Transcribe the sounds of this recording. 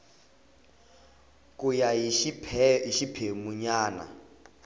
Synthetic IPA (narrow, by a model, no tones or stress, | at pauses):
kʼujaipʰɛiʃipʰemuɲaːna̰